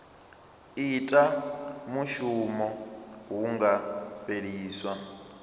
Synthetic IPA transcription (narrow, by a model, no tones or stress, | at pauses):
itʼamuʃumɔɦuŋɡaɸeɺiːswa